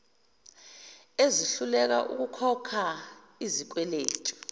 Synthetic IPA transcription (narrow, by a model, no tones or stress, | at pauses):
eziɬulɛk̬a̰ʔṵk̬ukʰɔkʰa | izik̬wɛlḛːtʰʼu̥